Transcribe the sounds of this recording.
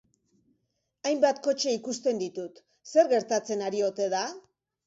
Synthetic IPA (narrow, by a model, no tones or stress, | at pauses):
ajmbat̪ko̞t͡ʃe̞ikust̪e̞nd̪it̪ut̪ | se̞ɾɣe̞ɾt̪at͡se̞naɾio̞t̪e̞ða